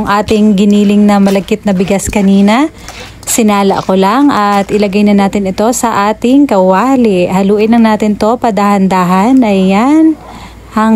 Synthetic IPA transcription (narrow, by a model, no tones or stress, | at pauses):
ŋʔaːt̪ɪŋɡɪniːlɪŋnɐmɐlɐkɪt̪̚nɐbɪɡaskɐniːnɐ | sɪnaːlɐ̰ʔko̞laŋɐt̪ʔɪlɐɡajnɐnaːt̪ɪnɪt̪o̞sɐʔaːt̪ɪŋkɐwaːlɪʔhɐluːʔɪnlɐŋnaːt̪ɪnt̪o̞pɐd̪ɐhɐnd̪aːɦɐnʔɐjːan | hɐŋ